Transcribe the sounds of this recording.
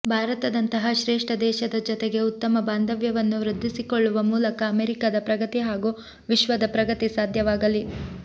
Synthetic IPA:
bʱaːɾɐt̪ɐd̪ɐnt̪ɐɦɐʃɾeːʂʈɐd̪ɛːʃɐd̪ɐd͡ʒɔt̪eɡe̞ut̪ːɐmɐbaːnd̪ɐʋjɐʋɐnːuʋɾɨd̪ʱːisikoɭːuʋɐmuːlɐkɐːmeɾikaːd̪ɐpɾɐɡɐt̪iɦaːɡu | ʋiʃʋɐd̪ɐpɾɐɡɐt̪isaːd̪ʱjɐʋaːɡɐli

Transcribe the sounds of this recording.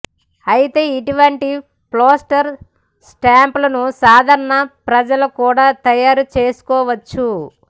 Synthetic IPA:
ɐjit̪e̞ːiʈuʋɐɳʈi | ploːsʈɐɾ | sʈaːmplɐnusaːd̪ʱɐɾɐɳɐpɾɐd͡ʒɐlɐkuːɽaːt̪ɐjaːɾut͡ʃeːsu̥kɔːʋɐt͡ʃːu

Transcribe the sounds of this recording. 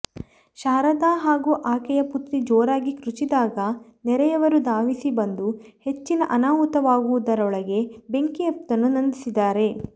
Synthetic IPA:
ʃaːɾɐd̪aːɦaːɡuːʔaːkɛjɐput̪ɾid͡ʒoːɾaːɡikɾut͡ʃid̪aːɡɐnɛɾɛjɐʋɐɾud̪aːʋisibɐnd̪uhe̞t͡ʃːinɐʔɐnaːʋut̪ɐʋaːɡuʋud̪ɐɾɔɭɐɡe̞be̞ŋkiɐp̚t̪ɐnːunɐnd̪isid̪aːɾe̞

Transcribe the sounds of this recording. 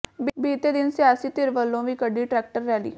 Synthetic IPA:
bbiːt̪eːd̪ɪnsɪjaːsiːt̪ɪɾʋəlːõːʋiːkəɖiːʈɾɛːk̚ʈəɾːɛːlḭː

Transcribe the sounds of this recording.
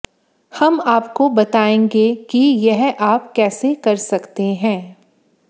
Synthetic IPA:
hɐmaːpkobɐt̪aːẽːŋɡekijɛɦaːpkɛːsekɐɾsɐkt̪eɦɛ̃ː

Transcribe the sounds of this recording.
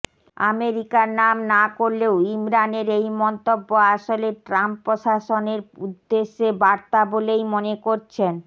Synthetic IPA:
a̰meɾikaɾnamnakoɾleoimɾaneɾejmɔnt̪obːoaʃoleʈɾampːɾoʃaʃoneɾud̪ːeʃːebaɾt̪abolejmonekoɾt͡ɕʰen

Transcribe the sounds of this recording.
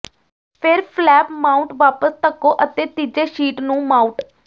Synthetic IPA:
pʰɪɾpʰlɛːpmaːʊ̃ɳʈʋaːpəst̪əkːõːʔət̪eːt̪iːd͡ʒeːʃiːʈnũːmaːʊ̃ɳʈ

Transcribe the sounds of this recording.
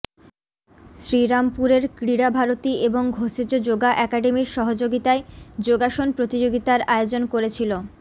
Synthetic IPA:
ʃɾiɾampuɾeɾkɾiɽabʱaɾot̪ieboŋɡʱoʃed͡ʑod͡ʑoɡaʔɛkaɖemiɾʃɔɦod͡ʑoɡit̪aed͡ʑoɡaʃonpɾot̪id͡ʑoɡit̪aɾaeod͡ʑonkoɾet͡ɕʰilo

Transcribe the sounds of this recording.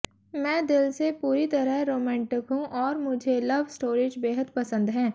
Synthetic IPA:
mɛ̃ːd̪ɪlsepuːɾit̪ɐɾəɦɾoːmɛ̃ːɳʈɪkɦũʔɔːɾmʊd͡ʒʱelɐʋsʈoːɾɪːd͡ʒbeːɦəd̪pɐsə̃nd̪ɦɛ̃ː

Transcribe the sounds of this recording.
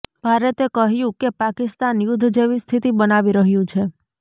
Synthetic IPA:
bʱaɾet̪ekəɦjũkepakist̪anjʊd̪ʱd͡ʒeʋist̪ʰit̪ibənaʋiɾəɦjũt͡ʃʰe

